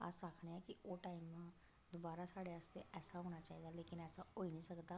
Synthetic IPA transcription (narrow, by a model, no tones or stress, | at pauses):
a̰sakʰɳeɛkioʈaːimːã | d̪obaːɾasaːɽeast̪eʔɛːsaɦoɽ̃at͡ʃaːɦid̪aleːkɪnɛːsaɦoiniʃəkd̪a